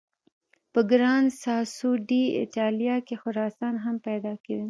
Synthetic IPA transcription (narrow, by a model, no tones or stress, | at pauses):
pəɡɾɑːnsɑːsuɖiɪ̰ʈaːlijɑkexʊɾɑːsɑːnɦɐmpɛd̪ɑːked̪en